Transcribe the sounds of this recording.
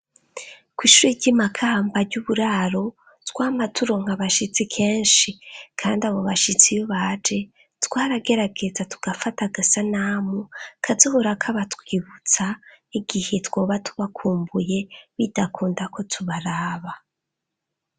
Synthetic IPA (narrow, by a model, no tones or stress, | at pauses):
kwiːʃuɾiɟɟimakʰaːmbaɟuβuɾaːɾo̞ | twaːmatuɾo̞ŋ̥haβaʃit͡sikʰe̞ːnʃikʰaːndiaβo̞βaʃit͡sijoβad͡ʒe | twaːɾaɡe̞ɾaɡe̞d͡zatʰu̥ɡ̥afataɡasanaːmukʰazoβoɾakʰaβatwiːβut͡saiɡihetwo̞ːβatu̥βakʰuːmbuje̞βidakʰuːndakʰo̞tʰuβaɾaːβa